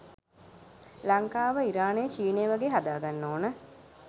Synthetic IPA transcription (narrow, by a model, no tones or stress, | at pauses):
laŋkaːʋəiɾaːnejət͡ʃiːnejːʋaɡeːɦad̪aːɡanːoːnə